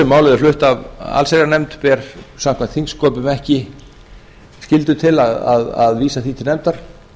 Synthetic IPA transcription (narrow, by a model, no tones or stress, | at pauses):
ɛmːaːwlɪðʏflʏht̪ava̰lseɾanɛmt̪pɛɾ̥sam̥kʰvant̪θiŋskɔːpʏmɛhcɪ | scɪlt̪ʏt̪ʰɪlaða̰ða̰ðviːsaθit̪ʰɪlnɛmt̪aɾ̥